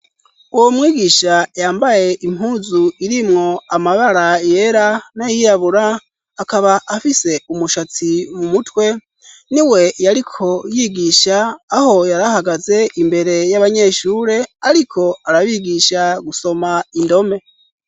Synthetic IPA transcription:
uwomŋiːɡiːʃajaːmbaje̞ʔimɦuːzuiɾimŋo̞amaβaɾaje̞ɾanajijaβuɾaː | kaβaʔafise̞umuʃat͡simumutwe̞ | niwe̞jaɾikʰo̞jiːɡiʃaːho̞jaɾahaɡaze̞ʔimbe̞ɾe̞jaβaɲe̞ːʃuːɾe̞aɾikʰo̞aɾaβiɡiʃaɡuso̞maindo̞me̞

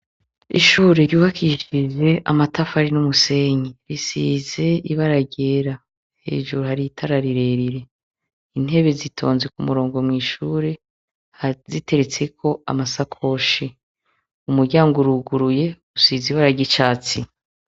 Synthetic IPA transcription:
ḭʃuːɾeɾjuːβakʰiʃiʒe̞ʔa̰matafaɾinumuse̞ɲiɾisize̞iβaɾaɟeːɾa | he̞̰ːʒuɾuhaɾitʰaɾaɾiɾe̞ɾiɾe̞ | in̥e̞βe̞zitʰo̞̰ːnzekumuɾo̞ːŋɡo̞mŋiːʃuːɾe̞ | hazite̞ɾet͡sekʰo̞a̰masakʰo̞ʃi | umuɾɟaːŋɡoɾuɡuɾuje̞ | usiziβaɾaɟit͡ʃaːt͡si

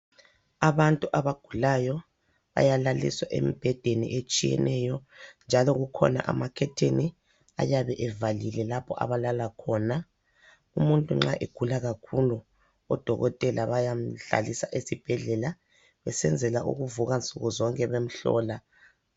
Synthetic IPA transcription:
aβantʼuʔaβaɡ̥ʱulajɔ | βa̰jalalḭswaʔḛmib̥ʱɛd̥ʱenḭʔet͡ʃʼijɛ̰nɛjɔnd͡ʒʱalɔɣukʰɔ̰na̰ʔamakʰɛtʰeni | a̰jaβɛʔɛvalilɛlapʰɔʔa̰βalalakʰɔːna | umuntʼuŋ͡ǁaʔeɡ̥ʱulaɣakʰulu | ɔd̥ʱɔɣɔtʼɛlʔaβajam̩ɬa̰lisaʔesib̥ʱɛɮɛla | βɛsɛnd͡zʱɛlaʔṵɣuvuɣant͡sʼuɣuzɔŋkʼɛβem̩ɬɔ̰ːla

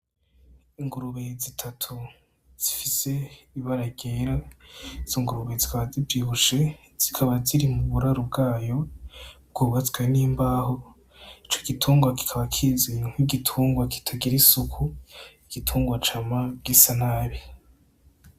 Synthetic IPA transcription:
iŋɡuɾuβezitʰatʰu | z̥ifise̞ | iβaɾaɡeɾaiz̥iŋɡuɾuβezikaβazivjiːβuʃe̞ | z̥ikʰaβaziɾimuβuɾaɾubɡaːjo̞b̚ɡ̥uːβat͡sɡaniːmbaːho̞ | it͡ʃo̞ɡ̥itʰuːŋɡwaki̥kʰaβakʰizeɲŋ̥hwiɡitʰuːŋɡwaki̥tʰaɡiɾisukʰuiɡ̥itʰuːŋɡwat͡ʃamabɡisanaːɾi

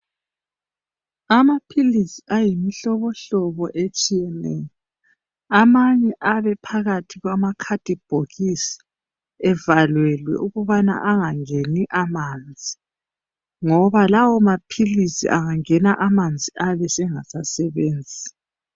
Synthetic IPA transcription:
amapʰilisiʔajimiɬɔβɔɬɔβɔʔet͡ʃʼijɛnɛ̰jɔ | amaɲɛʔaβɛpʰaɣatʰiɣwamakʰad̥ʱib̥ʱoɣisi̥ | ɛvalwɛlwɛ̰uɣuβana̰ʔaŋaŋeniʔamand͡zʱi | ŋɔβalawɔmapʰilisḭʔa̰ŋaŋɛnaʔamand͡zʱiʔaβɛsɛŋasasɛβeːnd͡zʱi

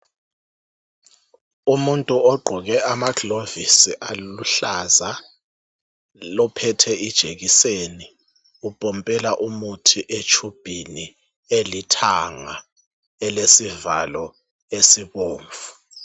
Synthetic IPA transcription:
umuntʼuɔɡ͡ǃʱɔɣɛʔamaɡlovisiʔaluɬaza | lɔpʰɛtʰɛʔid̥ʒ̥ʱeɣiseni | upʼɔmpʼɛlaʔumutʰiʔet͡ʃʰub̥ʱini | elitʰaŋa | ɛlesiva̰lɔ | esiβoːɱvu̥

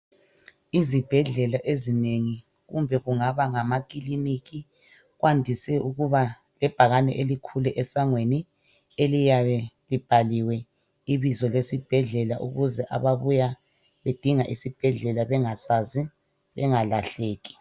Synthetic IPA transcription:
izib̥ʱɛɮɛlaʔezineŋi | ɣṵmbʱɛɣuŋaβaŋamak̬ʼiliniki | ɣwʔandʱisɛuɣuβa | lɛb̥ʱaɣanɛ̰ʔelikʰulɛʔɛsaŋweni | elijaβɛlib̥ʱaliwɛ | iβizɔlesib̥ʱɛɮɛlaʔuɣuzɛʔa̰βaβuja | βed̥ʱiŋaʔisib̥ʱɛɮɛlaβɛŋasazi | βɛŋalaɬeːɣi̥

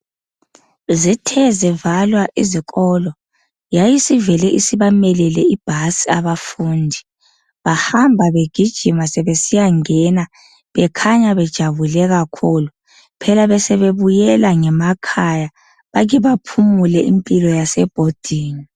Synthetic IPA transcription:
zitʰɛzɛvalwaʔiziɣʼɔlɔ | jajisivɛlɛʔisiβamɛlɛlɛib̥ʱasiaβafuːndʱi | βahambʱaβeɡ̥ʱid̥ʒ̥ʱimasɛβesijaŋɛna | βɛkʰaɲaβɛd̥ʒ̥ʱaβulɛɣakʰuːlu | pʰɛlaβɛsɛβeβujɛlaŋɛmakʰaja | βaɣiβapʰumulɛʔimpʼilɔjasɛb̥ʱod̥ʱiːni

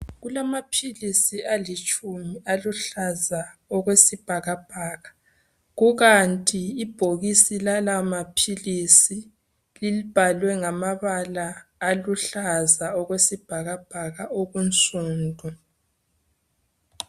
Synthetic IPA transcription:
ɣulamapʰilisialit͡ʃʼumialuɬazaɔɣwesib̥ʱaɣab̥ʱaːɣa | ɣuɣantʼiːb̥ʱoɣisilalamapʰilisi | lilib̥ʱalwɛŋamaβalaːluɬazaɔɣwesib̥ʱaɣab̥ʱaɣaoɣunt͡sʼuːndʱʼɔ

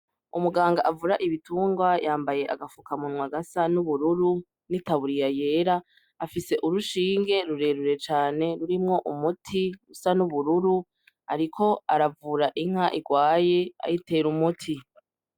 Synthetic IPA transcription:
ṵmuɡaːŋɡaʔavuɾaʔiβituːŋɡwajʔaːmbaje̞ʔa̰ɡafukamunwaɡasanuβuɾuɾu | nitaβuɾijaje̞ːɾaː | fise̞ʔuɾuʃiːŋɡe̞ɾuɾe̞ɾuɾe̞t͡ʃaːne̞ɾuɾimŋo̞ʔumutʰiɡusanuβuɾuɾu | aɾikʰo̞aɾavuɾaʔiŋ̥haʔiɡwaːje̞a̰jite̞ɾumutʰi

